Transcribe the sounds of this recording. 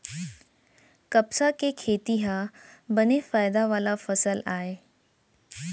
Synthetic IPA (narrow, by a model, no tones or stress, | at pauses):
kɐpsakekʰeːt̪iɦãbɐnefaːɪd̪aʋaːlafɐsəlaːeː